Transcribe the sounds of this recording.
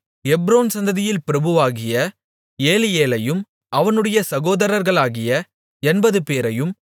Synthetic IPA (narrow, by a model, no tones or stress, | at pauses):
ɛbɾoːnsɐnd̪ɐðɪjɪlpɪɾɐbɯʋaːɣɪjɐ | eːlɪjeːlɐjɯm | ʔɐʋɐnɯɽɐjɐsɐɣoːðɐɾɐɾɣɐɭaːɣɪjɐ | ɛnbɐðɯpeːɾɐjɯm